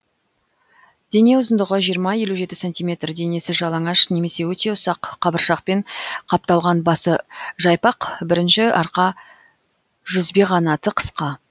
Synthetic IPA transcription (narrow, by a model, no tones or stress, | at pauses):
d̪̥e̞ne̞ʊzənd̪əʁəʒijəɾmɑje̞luʒe̞t̪ɪ̥sont̪ijmʲe̞t̪rd̪e̞ne̞sɪʒɑlˠɑŋɑʃne̞me̞se̞wɵt̪e̞ʊsɑqʰːɑbəɾʃɑq̚pe̞ɴqʰɑp̚t̪ɑlˠʁɑnbɑsəʒɑjpɑqbɪɾɪnʃɪɑɾqɑ | ʒ̥ʏzbe̞ʁɑnɑt̪əqʰə̥sqɑ